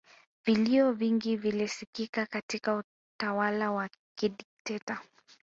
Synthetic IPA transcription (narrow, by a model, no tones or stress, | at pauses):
viliɔviŋɡivilisikikakatikau | tawalawakiɗiktɛta